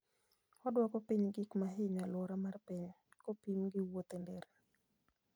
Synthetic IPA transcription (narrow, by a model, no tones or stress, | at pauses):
ɔdwɔkɔpiɲɡɪkmaɦɪɲalwɔɾamarpiɲ | kopimɡɪwot̪ɛndɛɾe